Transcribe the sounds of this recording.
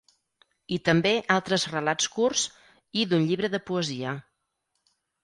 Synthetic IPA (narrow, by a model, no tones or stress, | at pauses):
it̪əmbeʔalˠt̪ɾəzrəlat͡skurs | iðunʎiβɾəðəpuəziə